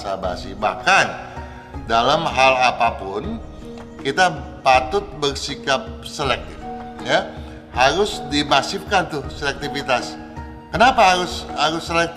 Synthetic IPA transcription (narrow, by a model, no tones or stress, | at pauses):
saba̰siba̰hkan | dalamɦalapapʊn | kit̪apat̪ʊt̪̚bərsikap̚selɛk̪̚ifja | haɾʊsdibasɪf̚kant̪ʊhselɛk̚t̪ifit̪as | kənapaɦaɾʊshaɾʊsːəlɛk̚